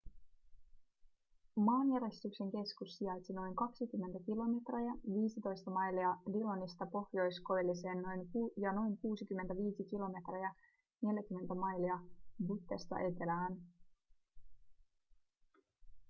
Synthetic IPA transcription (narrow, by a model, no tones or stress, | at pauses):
mɑːnjæɾe̞st̪ykse̞ŋk̟e̞skusːiɑjt̪ʲsino̞jŋkɑksikymːent̪æk̟ilo̞me̞t̪rejɑʋiːsit̪o̞jst̪ɑmɑjliɑdilonist̪ɑpo̞xjo̞jsko̞jlːise̞ːnːo̞jŋjɑno̞jŋkuːsikymːent̪æʋiːsikilo̞me̞t̪rejɑ | ne̞ljækymːe̞nt̪æmɑjliɑbut̪ːest̪ɑ̰ʔe̞t̪elæːn